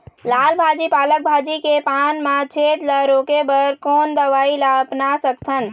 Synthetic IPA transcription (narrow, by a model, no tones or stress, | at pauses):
lalbʱad͡ʒipalək̚bʱad͡ʒikepanmãt͡ʃʰet̪laɾokebəɾkoːnd̪əʋailaəpnasəkt̪ʰən